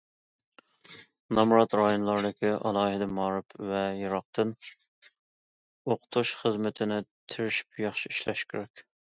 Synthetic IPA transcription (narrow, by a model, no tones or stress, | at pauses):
nɑmɾɑt̪ɾɑjonlˠɑɾd̪ɨkʲiʔɑ̰lˠɑːhɪd̪ɛmɑːɾɨpʰvɛjiɾɑq̚t̪ʰɨn | oqʰʊ̥t̪ʰuʃχəzmɪt̪ʰɪnɪt̪ʰɪɾɪʃi̥p̚jɑχʃiiʃlɛ̰ʃkʲy̰ɾɛkʲ